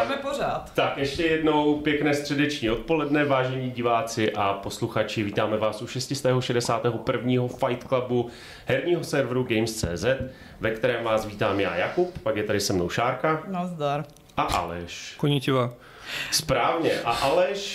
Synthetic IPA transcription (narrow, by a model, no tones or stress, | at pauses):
amɛporaːt̪t̪akjɛʃcɛjɛdno̞wpjɛknɛːst̪r̝̥ɛdɛt͡ʃɲiːo̞t̪̚po̞lɛdnɛvaːʒɛɲiːɟɪvaːt͡sɪʔapo̞sluxat͡ʃɪviːt̪aːmɛvaːsʔuʃɛscɪst̪ɛːɦoʃɛdɛsaːt̪ɛːɦopr̩vɲiːɦo̞fajt̪klabu | ɦhɛɾɲiːɦo̞sɛɾvɾuɡɛjmst͡sɛ̰ːzɛt̪ | vɛkt̪ɛɾɛːmvaːsviːt̪aːmja̰ːjakuppakjɛt̪adɪsɛmno̞̰wʃaːɾkanazd̪aɾ | ʔaʔa̰lɛ̰ʃkoɲicɪvaː | spɾaːvɲɛʔaʔalɛʃ